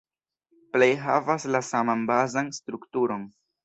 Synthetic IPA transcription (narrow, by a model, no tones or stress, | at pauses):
ple̞jɦavaslasamanbazanstɾuktuɾo̞n